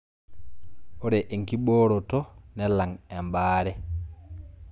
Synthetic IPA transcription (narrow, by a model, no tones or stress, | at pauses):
oɾɛʔeŋkiɓoːɾɔtɔnɛlaŋɛmbaːɾɛ